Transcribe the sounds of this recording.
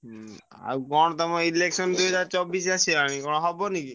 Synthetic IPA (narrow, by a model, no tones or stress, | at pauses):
a̰wkɔɽ̃ɔt̪ɔmaileksɔnd̪ued͡ʒat͡ʃɔbisasʰeaɽ̃ĩkɔñɔɦɔbɔniki